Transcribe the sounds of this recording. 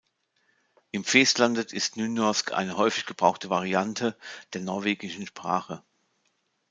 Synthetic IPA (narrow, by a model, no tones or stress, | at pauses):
ʔɪmfɛːstlandətʰɪstnyːnjɔɐskʰʔa̰ɪnəhɔʏfɪçɡ̥əb̥ʁaʊxtəvaʁiantʰəd̥eːɐnɔɐveːɡɪʃn̩ʃpʁ̥a̰ːχə